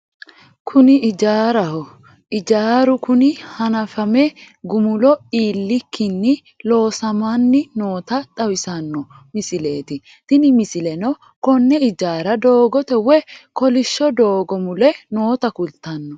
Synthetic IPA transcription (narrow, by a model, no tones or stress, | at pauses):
kʰʊnɪʔɪd͡ʒaːɾɐhɔ | ʔɪd͡ʒaːɾʊkʊnɪhɐnɐfɐmɛ | ɡʊmʊlɔiːlːɪkːɪnːɪ | lo̞ːsɐmaːnːɪno̞ːt̪ɐt̪ʼɐwɪsɐnːɔ | mɪsɪle̞ːt̪ɪ | t̪ɪnɪmɪsɪlɛnɔ | kɔnːɛɪd͡ʒaːɾɐd̪o̞ːɡɔt̪ɛwɛkɔlɪʃːɔd̪o̞ːɡɔmʊlɛno̞ːt̪ɐkʊlt̪ːɐnːɔ